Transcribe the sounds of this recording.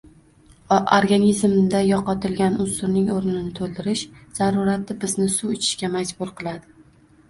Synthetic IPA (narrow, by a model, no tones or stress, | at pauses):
oɾɡanizmd̪ajɒqɒt̪ʰɪlɡʲanʊsʊɾnɪŋoɾnnɪnɪt̪ʰolˠd̪ɪɾɪʃz̥aɾʊɾat̪ːɪbɪznɪsuwɪt͡ʃʰɪ̥ʃkʲamad͡ʒbʊɾqʰɨlˠad̪ɪ